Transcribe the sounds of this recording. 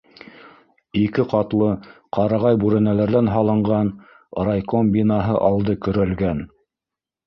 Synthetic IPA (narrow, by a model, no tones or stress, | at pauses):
ikɘqɑt̪lˠɤqʰɑɾɑʁɑjbʉɾæ̆nælæɾðænɦɑlˠɤ̆ɴɢɑn | ɾajkombʲinɑɦɤʔɑlˠd̪ɤkɵ̆ɾælɡæn